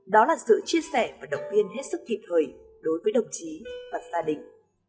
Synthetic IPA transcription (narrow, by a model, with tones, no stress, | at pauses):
ɗɔ˨˦laː˨˩sɨ̰˧˨t͡ɕi˧əsɛ˧˩vaː˨˩ɗə˨˩wŋ͡mvi˧ənɦe˦˥t̚sɨ˦˥k̚t̪ʰi˨˩p̚t̪ʰəː˨˩j | ɗo˨˦jvəː˨˦jɗə˨˩wŋ͡mt͡ɕi˨˦vaː˨˩z̥aː˧ɗï˧˨ŋ̟